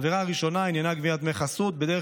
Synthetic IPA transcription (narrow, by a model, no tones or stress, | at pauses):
viʁaaʁiʃo̞nainjanaɡvijat̪meχasut̪̚bed̪ee